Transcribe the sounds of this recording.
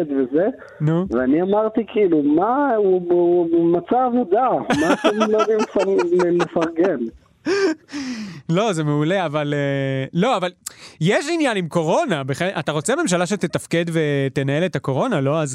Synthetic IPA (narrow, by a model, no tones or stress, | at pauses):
ed̪veze | nuveaniamaʁt̪ikʰiilumau | mat͡saːvod̪amat̪emlojod̪imefalelefaʁɡen | lo̞zemeule̞avalelo̞avaljeʃinjanimko̞ʁo̞nabeχenʔat̪aʁo̞t͡seame̞mʃ̬alaʃet̪et̪afke̞d̪ve̞t̪enae̞let̪ako̞ʁo̞nalo̞az